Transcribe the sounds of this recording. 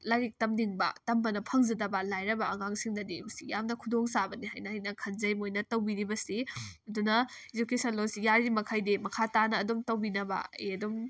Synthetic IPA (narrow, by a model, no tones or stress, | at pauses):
laɾik̚tɐmniŋbɐ̰tɐmbɐnɐpʰɐŋzɐdɐbɐlajɾɐbɐʔɐŋaŋsiŋdɐdisijamnɐkʰudoŋsabɐniɦajnɐhajnɐkʰɐnzɐjmojnɐtɐwbiɾibɐsiɐdunɐ | ezukesɐnlosijaɾimɐkʰajdimɐkʰatanɐːdumtɐwbinɐbɐ̰ḛɐdum